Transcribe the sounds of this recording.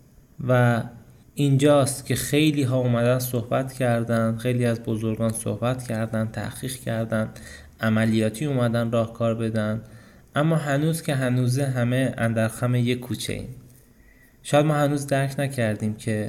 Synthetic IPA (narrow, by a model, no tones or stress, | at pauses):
væ | ind͡ʒɒːst̪cʲʰe̞xe̞jliːɦɒːumæd̪ænd̪sohbæt̪cʰæɾd̪ænd̪̥xe̞jliːæzbozo̞ɾɡɒːnso̰hbæt̪ʰcʰæɾd̪ænd̪t̪ʰæ̰hχiːʁcʰæɾd̪ænd̪̥ | ʔæmælijɒːt̪ʰiːumæd̪ænd̪ɾɒːhkʰɒːɾbe̞d̪ænd̪ | ʔæmːɒːɦænuːzcʰe̞ɦænuːzeɦæmeæ̰nd̪æɾxæmeje̞kʰːuːt͡ʃʰḛḭm | ʃɒːjæd̪mɒːhænuːzd̪æɾcʰnæcʰæɾd̪iːmcʰe̞